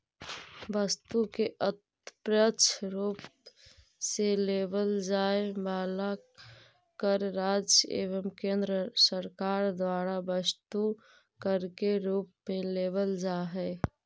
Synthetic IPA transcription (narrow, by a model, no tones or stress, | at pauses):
bəst̪ukeʔət̪ | pɾət͡ʃʰɾuːp | seleːbəld͡ʒaːebaːla | kəɾːaːd͡ʒḛːʋəmkẽːnd̪ɾəsəɾkaːɾd̪waːɾabəst̪u | kəɾkeɾuːpmẽleːbəld͡ʒaɦɛ